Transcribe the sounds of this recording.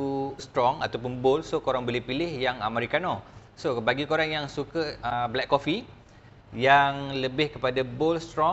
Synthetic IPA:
ust̪ɾɔŋat̪awpʊnbolsokoɾaŋbolɪhpilɪhjaŋəmaɾikanɔ | sobaɡikoɾaŋjaŋsukəəblɛkkːofi | jaŋləbɪhkəpadabolst̪ɾɔ

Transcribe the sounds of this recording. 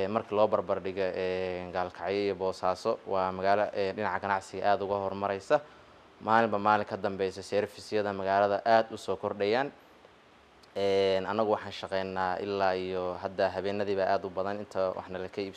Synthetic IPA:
ɛmɐrkʰɐlɔːbɐrbɐrɖɪɣɔʔɛːnɡaːlkʰɑʕjɔijɔbɔːsaːsɔwɑːmɐɣaːlɐʔɛɖɪnɑʕɡɐnɑʕsɪɣɐʔaːd̪ʊɣɐɦɔrmɐɾɛjsɐ | maːlɪmbɐmaːlɪŋkʰɐd̪ɐmbɛjsɔsɛɾfɪsɪjɐðɐmɐɣaːlɐðɐʔaːd̪ʊsɔːkʰɔrɖɛjaːn | ɛːnɐnːɐɣʊwɑħɑːnʃɐqɛjnːaːʔɪ̰lːaːijɔɦɐd̪ɐɦɐβɛːnːɐðiːβɐʔaːd̪ʊbɐðɐnɪnt̪ʰɐwʔɑ̰ħnɐlɐkʰɐiːb

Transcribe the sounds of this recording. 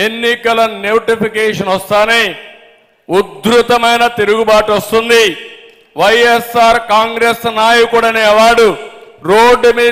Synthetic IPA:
enːikɐlɐnewʈipʰikeːʂɐnɔst̪aːneː | ud̪ɾut̪ɐmɐjnɐt̪eɾuɡubaːʈɐst̪und̪i | ʋɐjesaːɾkaːŋɡɾesnaːjɐkuɽɐneːʋaːɽu | ɾoːɖmiː

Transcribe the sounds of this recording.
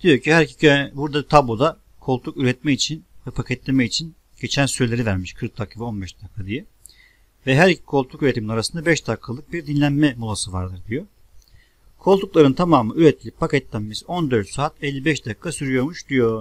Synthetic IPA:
d̪̥ijo̞cʰihæɾici̥buɾd̪at̪ʰablˠo̞d̪a | kʰo̞lˠt̪ʰukyɾɛt̪̚mɛit͡ʃʰinvɛpʰacʰɛt̪lʲe̞mɛit͡ʃʰin | ɟ̥e̞t͡ʃʰænsyɾelʲe̞ɾivæɾmiʃkʰɯɾk̚d̪ʰakʰːavɛo̞nbɛʃd̪akʰːad̪ijɛ | vɛɦæɾicʰi̥kʰo̞lˠt̪ʰukyɾɛt̪ʰiminaɾasɯnd̪abɛʃd̪akʰːalˠɯk̚biɾd̪inlʲænmɛmulˠasɯva̰ɾd̪ɯɾd̪ijo̞ | kʰo̞lˠt̪uklˠaɾɯnt̪ʰamaːmɯyɾɛt̪̚ːʰilʲip̚pʰːacɛt̪lʲæmmizo̞nd̪øɾt̪saːt̪ɛlʲːibɛʃd̪akʰːasyɾyjo̞ɾmuʃd̪̥ijo̞

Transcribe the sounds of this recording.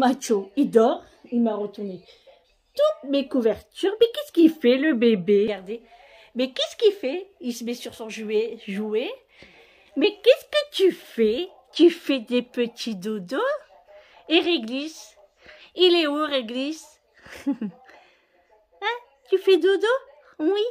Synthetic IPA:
mat͡ʃoid̪ɔʁ | ilmaʁət̪uʁne | t̪ut̪mekuvɛʁt̪yʁmɛkɛskifɛləbebeɡaʁd̪e | mɛkʲɛsə̥kilfɛilsəmɛsyʁsɔ̃ʒeʒue | mɛkʲɛskət̪yfɛ | t̪yfɛd̪epət̪ʰid̪od̪o | eʁeɡlis | ilɛoʁeɡlis | a | t̪yfɛd̪od̪o | wi

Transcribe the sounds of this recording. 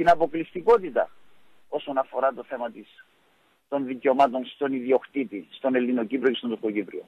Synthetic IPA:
t̪inɐpo̞klist̪iko̞t̪it̪ɐ̰ | o̞so̞nɐfo̞ɾɐt̪o̞θe̞mɐt̪is | t̪o̞nðiceo̞mat̪o̞nst̪o̞niðio̞xt̪it̪ist̪o̞nelːinocipɾiocest̪ont̪okocipɾio̰

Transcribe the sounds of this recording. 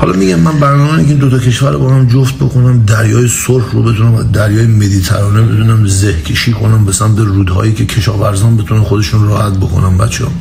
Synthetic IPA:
hɒːlɒ̰miɟænmænbæɾnɒːmeːnieind̪ot̪ʰɒcʰe̞ʃvæɾobɒːhæmd͡ʒoft̪̚bo̞kʰo̞næmd̪æɾjɒːjesolhɾobe̞t̪ʰunæm̰d̪æɾjɒːjemed̪iːt̪ʰæ̰ɾɒːnebe̞t̪ʰunæmze̞hcʲʰe̞ʃiːkʰo̞næmbe̞sæmt̪ʰeruːd̪hɒ̰ːjiːcʰe̞kʰeʃɒːvæɾzɒːnbe̞t̪ʰunænxo̞d̪e̞ʃunrɒːhæt̪̚bo̞kʰo̰næmbæ̰t̪t͡ʃʰehɒ̰ː

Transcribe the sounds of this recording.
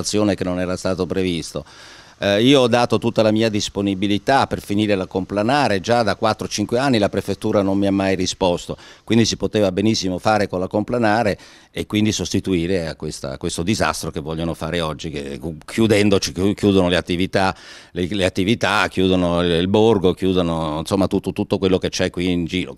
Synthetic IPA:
t̪sːjoːnekenːonɛːɾast̪aːt̪opɾevist̪o | iːoɔd̪ːaːt̪ot̪ut̪ːalamiːad̪isponibilit̪apːerfiniːɾelakomplanaːɾed͡ʒad̪akːwat̪ːɾot͡ʃiŋkweanːilapɾefet̪ːuːɾanommiamːajrispɔst̪okwind̪isipot̪eːvabenisːimofaːɾekonlakomplanaːɾe | ekːwind̪isost̪it̪uiːɾea̰kːwest̪a̰kwest̪od̪iza̰st̪ɾokevːɔʎːonofaːɾeɔd͡ʒːikḛkʰjud̪ɛnd̪ot͡ʃiukjuːd̪onoleat̪ːivit̪a | leleat̪ːivit̪akjuːd̪onoilborɡokjuːd̪onoinsomːat̪ut̪ːot̪ut̪ːokwelːoket͡ʃɛkːwiːnd͡ʒiːɾo̰

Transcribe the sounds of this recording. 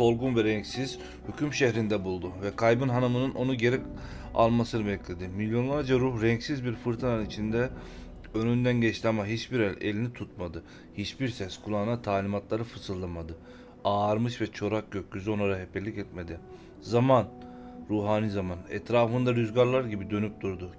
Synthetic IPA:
so̞lˠɡunvɛɾɛɲcsiz̥ | hycʰymʃɛçɾind̪ɛbulˠd̪uvɛkʰajbɯnɦanɯmɯnɯno̞nuɟe̞ɾɛc | a̰lˠmasɯnɯbɛclʲe̞d̪imilʲjo̞nlˠaɾd͡ʒaɾuhɾɛɲcsizbiɾfɯɾt̪ʰɯnannit͡ʃʰind̪ɛ | ønynd̪ænɟɛt͡ʃt̪ʲɛmaɦit͡ʃbiɾɛlʲḛlʲinit̪ʰut̪mad̪ɯ | hit͡ʃbiɾsɛskʰulˠanat̪ʰaːlʲimat̪lˠaɾɯfɯsɯlːˠamad̪ɯ | aːɾmɯʃvɛt͡ʃʰo̞ɾak̚ɟøcʲːyzo̞naɾaɦepʰelʲːicɛt̪me̞d̪i | zaman | ɾuːɦaːnizamanɛ̰t̪ɾaːfɯnd̪aɾyzɟaɾlˠaɾɟibid̪ø̞nyp̚d̪uɾd̪u

